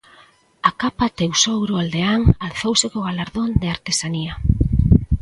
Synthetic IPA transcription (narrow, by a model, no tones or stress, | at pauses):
akapat̪ewsowɾoald̪eaŋalθowsekoɣ̞alaɾðond̪eaɾt̪e̞sania